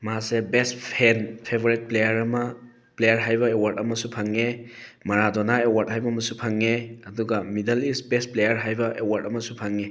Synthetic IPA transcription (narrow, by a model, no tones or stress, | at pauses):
masebestpʰenpʰeboɾit̚plejɐɾɐmɐ | plejɐɾɦajbɐewaɾdɐmɐsupʰaŋːemɐɾadonaewaɾd̚hajbɐmɐsupʰaŋːeɐduɡɐmidɐlisbest̚plejɐɾɦajbɐʔewaɾdɐmɐsupʰaŋːe